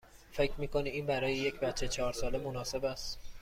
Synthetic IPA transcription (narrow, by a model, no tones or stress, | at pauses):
fe̞cʰɾmiːkʰo̞niiːnbæɾɒːjeje̞cʰbæt̪t͡ʃʰːet͡ʃʰɒːɾsɒːle̞monɒːse̞bæst̪